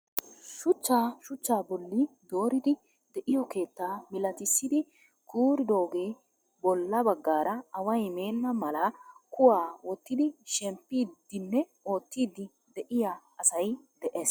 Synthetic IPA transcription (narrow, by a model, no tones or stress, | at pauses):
ʃʊt͡ʃːaːʃʊt͡ʃːaːbɔlːɪd̪o̞ːɾɪd̪ɪ | d̪ɛʔɪjɔke̞ːt̪ːaːmɪlɐt̪ɪsːɪd̪ɪ | kuːɾɪd̪oːɡeː | bɔlːɐbɐɡːaːɾɐɐwɐjme̞ːnːɐmɐlɐkʊwaːwɔt̪ːɪd̪ɪʃɛmpːiːd̪ːɪnːɛ | o̞ːt̪ːiːd̪ːɪ | d̪ɛʔɪja | ɐsɐjd̪̥ɛʔeːs